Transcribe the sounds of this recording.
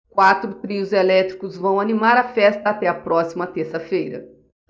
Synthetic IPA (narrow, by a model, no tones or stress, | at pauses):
kwat̪ɾʊt̪ɾiʊzelɛt̪ɾikʊzvɐ̃w̃animaɾɐfɛst̪ɐːt̪ɛɐpɾɔsimɐt̪eɾsɐfejɾɐ̰